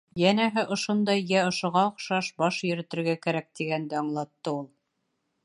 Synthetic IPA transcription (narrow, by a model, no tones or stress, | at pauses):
jænæɦɘʔŏʃond̪ɑjːæŏʃŏʁɑŏχʃɑʃbɑʃjɵ̆ɾɘ̆t̪ɘ̆ɾɡækæɾæk̚t̪iɡænd̪æɑɴlˠɑt̪ːɤulˠ